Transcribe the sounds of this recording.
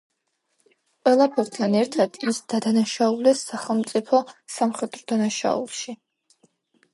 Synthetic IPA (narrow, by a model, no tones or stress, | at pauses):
qʼwɛlˠapʰut̪ʰanɛɾt̪ʰad̪̥isd̪̥ad̪anaʃaulɛsːaχɛlˠmt̪sʼipʰɔsamχɛd̪̥ɾɔd̪anaʃa̰ṵlˠʃi